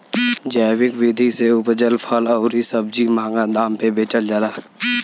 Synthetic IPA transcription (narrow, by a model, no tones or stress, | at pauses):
d͡ʒaːwɪkʋɪd̪ʱiseʊpd͡ʒəlpʰəlɔʊɾisəb̚d͡ʒimãːŋɡad̪aːmpebeːt͡ʃəld͡ʒaːlaː